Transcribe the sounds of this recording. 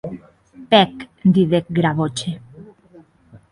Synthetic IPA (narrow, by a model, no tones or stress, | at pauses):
pɛkd̪iðek̚ɡɾaβot͡ʃe